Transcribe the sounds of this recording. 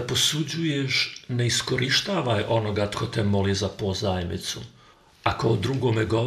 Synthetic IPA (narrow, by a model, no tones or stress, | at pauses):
posud͡ʑujeʃne̞iskoɾiʃt̪aːʋajʔo̞noɡat̪kʰot̪ɛmolizapozaːjemnḭt̪su | akaod̪ɾuɡoːmeɡo